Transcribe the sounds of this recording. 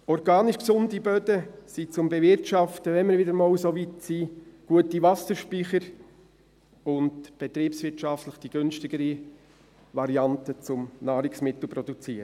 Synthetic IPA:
ɔɾɡɑːniʃksʊndibœdəsit͡sʊmbɛvɪɾtʃɑftəʋɛnməɾʋɪdəɾmoːwsoʋitsiːɡ̥uətiʋɑsəɾʃpiχəɾ | ʊndb̥ɛt̪ɾiːpsʋɪɾtʃɑftləχd̥iɡ̥ønʃtɪɡ̥əɾi | ʋɑɾiɑntət͡sʊmnɑːɾɪksmɪt̪l̩ˠpɾɔd̪ut͡siːɾə

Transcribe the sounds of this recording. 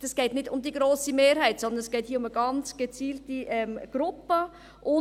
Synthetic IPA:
ɛsɡ̥ɛːtnɪdʊmd̪iɡɾoːsimeːɾhɛɪtsɔnd̪ənɛsɡ̥ɛːthiːəʊməɡɑnt͡sɡ̥et͡siːltiʔɛmɡ̥ɾʊpə | ʔʊ

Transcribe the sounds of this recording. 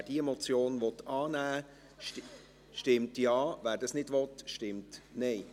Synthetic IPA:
æɾd̥iemɔt͡sjoːnʋɔt̪ɑːnæː | ʃtɪmtjɑːvæːɾdɑsnɪdvɔtʃtɪmtnɛɪ

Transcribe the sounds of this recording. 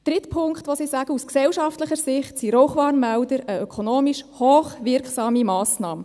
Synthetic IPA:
d̥ɾɪtpʰʊŋktʋosisɑɡ̥əusksɛwʃɑftləχəɾsɪχtsiɾɔwχʋɑːrnmæwdəɾəœkʰonoːmiʃhoːχʋɪrksɑːmimɑːsnɑːm

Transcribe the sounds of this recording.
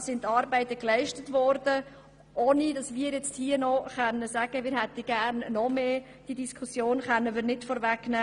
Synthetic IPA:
sɪntːɑːɾbæɪtəklɛɪʃtətvɔɾdə | ʔoːnidɑsmiːəɾjɛt͡sthiːənɔχœnːəsæːɡ̥əmɪːɾɦɛtəɡ̥æɾnnɔmeː | d̥idiskʰusjoːnχœnːəmɪːɾnɪtfɔɾvɛknæː

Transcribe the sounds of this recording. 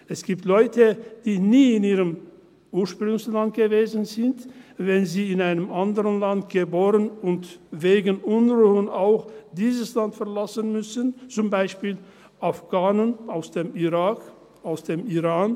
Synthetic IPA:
ʔɛsɡ̥iːptlɔʏtəd̥iːniːɪniːʁəm | ʔuːɐʃpʁ̥ʊŋslant̚ɡ̥əveːzn̩zɪntvɛnziːɪnaɪnəmʔandəʁənlantɡ̥əboːʁənʊntveːɡənʔʊnʁuːənaʊxd̥iːzəslantfɛɐlasənmʏsənt͡sʊmbaɪʃpiːl | ʔafɡ̥aːnənʔaʊsd̥eːmiʁaːk | aʊsd̥eːmiʁaːn

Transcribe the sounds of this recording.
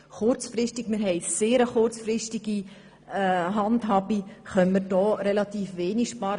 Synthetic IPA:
χʊɾt͡sfɾɪʃtɪɡmɪɾɦɛɪseːɾəχʊrt͡sfɾɪstiɡ̥i | ɦɑndɦɑːbiχœnməɾdɔːɾɛlɑt̪iːfʋeːnikʃpɑːɾ

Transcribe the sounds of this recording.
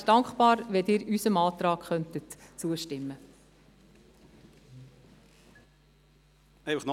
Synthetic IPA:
d̥ɑŋkχpɑːɾʋɛdɪːɾysəmɑːt̪ɾɑːkχœntətt͡suəʃtɪmːə | ɛɪfəχn

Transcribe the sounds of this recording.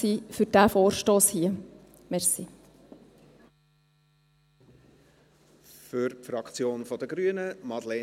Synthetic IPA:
iːfyɾd̥æfoːɾʃtoːshiə | mɛɾsi | fʏɾfɾɑkt͡sjoːnfɔd̥̪əɡɾyənəmɑd̪lɛ

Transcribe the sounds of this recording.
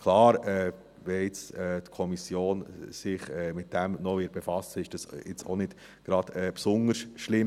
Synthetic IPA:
kʰlɑːɾɛ | ʋɛjɪt͡sɛːt̪kʰɔmisjoːnsɪχɛːmɪt̚d̥æmnɔʋɪɾ̚b̥efɑsəɪʃd̥ɑsjɪt͡so̰nɪd̥ | ɡ̥ɾɑd̥̪ɛpsʊnəɾsʃlɪm

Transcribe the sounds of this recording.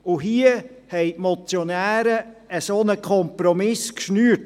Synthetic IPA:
ʊɦiə | hɛɪʔmɔt͡sjonæːɾəəsoːnəkʰχɔmpɾɔmɪskʃnyːt̚

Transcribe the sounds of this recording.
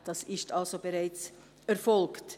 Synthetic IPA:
d̥ɑsɪstalzobeʁaɪt͡s | ɛɾfɔlkt

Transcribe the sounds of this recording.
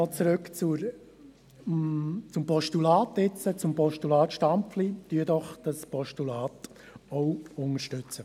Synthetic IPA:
ɔːt͡sɾøkt͡suɾ | t͡sʊmpɔʃtulɑːtɪt͡sət͡sʊmpɔʃtulɑːt̪ʃtampflityədɔχd̥ɑspʰɔʃtulaːt | ɔwʊŋəʃtʏt͡sə

